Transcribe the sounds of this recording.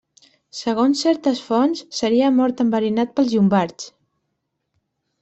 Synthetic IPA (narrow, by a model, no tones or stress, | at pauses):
səɣ̞onsːɛɾt̪əsfɔnsːəɾiəmɔɾt̪əmbəɾinat̪̚pəlˠzʒumbaɾt͡s